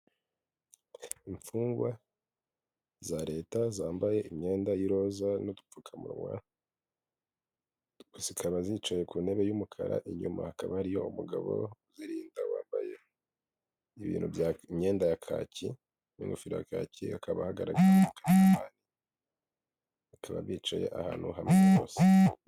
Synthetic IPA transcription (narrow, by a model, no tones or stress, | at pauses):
iɱfuːŋɡwa | zaɾe̞ːtazaːmbaje̞imɲe̞ːndajiɾo̞ːzanodupp͡fukʰamṵɾmwa̰ | ɡ̥usikʰaβazit͡ʃoje̞kune̞βe̞jumukʰa̰ɾa̰ʔiɲuma̰hakaβahaɾijo̞umuɡaβo̰uziɾiːndawaːmbaje̞ | iβḭːnhuvjamɲe̞ːndajakʰa̰ːcʰi | nḭŋɡufiɾoja̰kaːciakʰaβahaɡaɾaɡaɾukanaamaːni | ikʰaβa̰βiːt͡ʃo̰jḛʔaha̰ːn̥huhamŋeβo̰ːse̥